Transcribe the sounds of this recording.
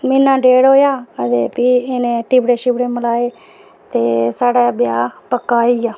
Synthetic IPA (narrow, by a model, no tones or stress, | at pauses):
mɪnːãːɖeːɽoːjaːət̪eːpiːɪnẽːʈiːbɽeːʃɪːbɽeːməlaːeː | t̪eːsaːɽaːbjaːpəkːaːiːaː